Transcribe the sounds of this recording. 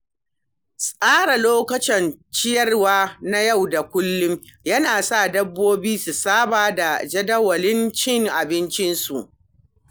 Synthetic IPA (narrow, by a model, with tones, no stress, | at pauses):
sʼaː˦ɽa˨loː˦kɐ˨t͡ʃɛ˨nt͡ʃɪ˦jɐ˦rwaː˦na˦ja˦˨wda˨kʷʊ˦lːʊ˦mjɐ˦naː˨sa˦˨dɐ˦bːoː˦biː˦su˨saː˦baː˨da˨d͡ʒɐ˦dɐ˦wɐ˨lɪ˦nt͡ʃɪ˦˨ŋʔa˨bɪ˦nt͡ʃɪ˦nsu˨ʔ